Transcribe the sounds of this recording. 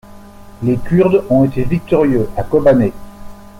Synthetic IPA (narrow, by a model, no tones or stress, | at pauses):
lekʲyʁd̪ɔ̃et̪evik̚t̪ɔʁjøakɔbane